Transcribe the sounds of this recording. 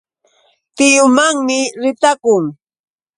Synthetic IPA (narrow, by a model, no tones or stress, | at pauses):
t̪ɪjʊmaŋmɪɾɪt̪akʊŋ